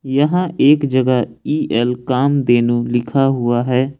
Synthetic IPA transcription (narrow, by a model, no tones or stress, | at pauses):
jəɦãʔeːkd͡ʒəɡəiːʔɛlkaːmd̪eːnulɪkʰaɦʊaɦɛː